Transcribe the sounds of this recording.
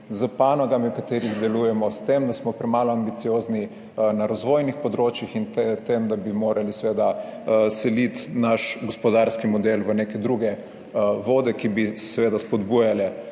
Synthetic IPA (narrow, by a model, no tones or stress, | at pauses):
zəpaːnɔɡamiwkat̪eːɾiɣd̪ɛlujɛmɔst̪emd̪asmɔpɾɛmaːlɔambit̪sijoːzni | naɾazʋoːjnixpɔd̪ɾoːt͡ʃjixint̪t̪emd̪abimoːɾalisʋeːd̪asɛlit̪naʃɡɔspɔd̪aɾskimɔd̪elʋənekɛd̪ɾuɡɛ | ʋoːd̪ɛkibisʋeːd̪aspɔd̪bujalɛ